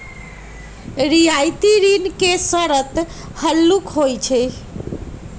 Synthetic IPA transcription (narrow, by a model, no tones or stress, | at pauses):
ɾijajt̪iɾinkesəɾət̪ | həlːukɦojt͡ʃʰɛ